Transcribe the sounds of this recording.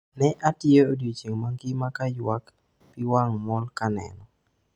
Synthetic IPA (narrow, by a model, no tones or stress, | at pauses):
nɛʔatɪeodjit͡ʃeŋmaŋɡimakajwak | pɪwaŋmɔlkanɛ̰nɔ